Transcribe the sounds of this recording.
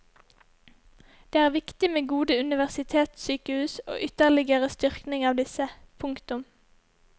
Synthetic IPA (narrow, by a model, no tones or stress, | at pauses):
d̪̥eːæːʁʋɪkt̪ɪmeːɡuːd̪əʉnɪʋæʁsɪt̪ʰeːt̪syːkəhʉːso̰ːʔʏt̪əʁlɪɡəʁəst̪ʏʁknɪŋɑːʋd̪ɪsəpʰʊŋkt̪ʊm